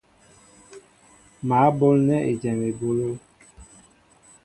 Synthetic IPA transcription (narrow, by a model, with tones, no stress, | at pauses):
ma˨˦bo˦lnɛ˦ʔe˨d͡ʒɛ˨me˨bo˦lo˦